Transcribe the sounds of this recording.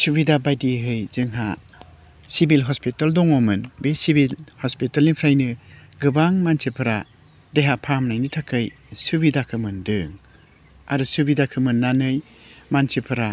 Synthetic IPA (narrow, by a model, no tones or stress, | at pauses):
subidabajdiɦɯjzɯŋɦa | sibilɦɔspitaldɔŋɔmɯnbesibilhɔspitalipʰɾajnɯɡɯbaŋmansʰipʰɯɾa | deɦapʰamnajnitʰakɯj | subidakʰɯmɯndɯŋ | a̰ɾusubidakʰɯmɯnːanɯj | mansipʰɯɾa